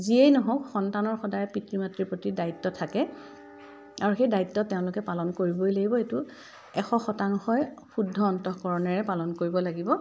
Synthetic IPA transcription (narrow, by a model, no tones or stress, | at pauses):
ziejnɔɦɔkxɔntanɔɹxɔdajɛpitɹimatɹiɹpɹotidaitːɔtʰakɛ | aɹuxejdaitːɔtːeʊ̃lʊkɛpalɔnkoɹibojlaɡibɔetu | ɛxɔxɔtaŋxɔjxudʱːɔːntɔkɔɹɔnɛɹɛpalɔnkoɹibɔlaɡibɔ